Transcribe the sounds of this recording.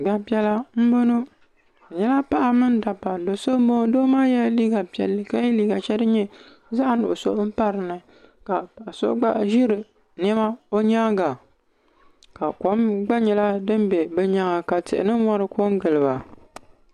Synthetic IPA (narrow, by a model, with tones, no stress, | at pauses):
ɡ͡ba˦pi˦ɛ˦la˦m̩˦bo˦no˦˨ | ɲɛ˦la˦pa˦ʔa˨mɨ˦n˦da˨pa˨do˨so˦bo˦doː˦maː˦jɛ˦li˦ɡa˨pka˦jɛ˦liː˨ɡa˨t͡ʃɛ˦dɨ˦ɲɛ˦ | za˦ʔa˨nʊ˨ʔso̰˦ʔm̩˦pa˦ɾɨ˨nɨ˨ | ka˨pa˨ʔa˨so̰˦ɡ͡ba˦ʔʒɪ˦ɾɨ˨ | nɛ˦ma˦o˦ɲa˦ɡa˨ | ka˨ko˦mɡ͡ba˦ɲɛ˨la˦dɨ˦m˦bɛ˨bɛ˨ɲa˦ŋa˨ka˨tɨ̰˨ʔɪ̰˨nɨ˦wɔ˦ɾɨ˦kʰo˦ŋ˦ɡɨ˨lɨ˨ba˨